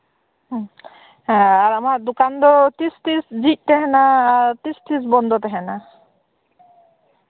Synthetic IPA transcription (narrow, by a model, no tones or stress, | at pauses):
ɦɛ̃aɾamaɾd̪ukand̪ɔt̪ist̪isd͡ʒic̪̚ˀt̪ɛɦɛnaːɹɾt̪ist̪isbɔnd̪ɔt̪ɛɦɛna